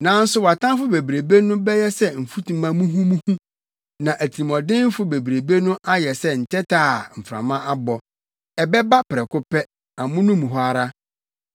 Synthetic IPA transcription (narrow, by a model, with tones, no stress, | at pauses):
nã˨˦n̩˦sʊ˦wa˨tʰã˦fʊ˦be˨bɾe˨be˦nʊ̃˦bɛ˦jɛ˦sɛ˦m̩˨fu˦tʰũ˨mã˨mũ˦ɦũ˦mũ˦hũ˦ | nã˨ʔæ˨tʰi˨mɔ̃˨dɪ̃˦m˦fʊ˦be˨bɾe˨be˦nʊ̃˦ʔa˦jɛ˨sɛ˦n̩˨tʰɛ˦tʰaː˦˨m̩˨fɾã̰˨mã˦a˦bɔ˨ | ɛ˨bɛ˦ba˦pɾɛ˨kʊ˦pʰɛ˦ | a˨mʊ̃˦nʊ̃˦mũ˨ɦɔ˨˦a˨ɾa˦